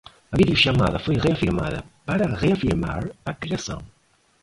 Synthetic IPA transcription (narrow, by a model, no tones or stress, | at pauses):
ɐvid̪euʃama̰ðɐfojʁeafiɾma̰ðɐ̰paɾaʁeafiɾma̰ɾakɾeasɐ̰̃w̃